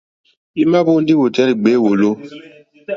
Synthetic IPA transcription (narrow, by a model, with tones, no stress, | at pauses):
i˦ma˦bo˦n˦di˦wo˨tɛ˦ɾi˨ɡ͡be˨˦wo˨lo˦